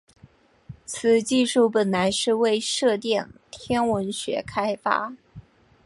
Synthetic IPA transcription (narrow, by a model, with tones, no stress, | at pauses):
t͡sʰɹ̩˨˩t͡ɕi˥˧ʂu˥˩pə˨˩nla˧˥ɪʂɻ̩˥˧we˥˧ɪʂɤ˥˧t̪jɛ˥˩nt̪ʰjɛ˥nwə˧˥nɕɥɛ̰˧˥kʰa˥ɪfa̰˥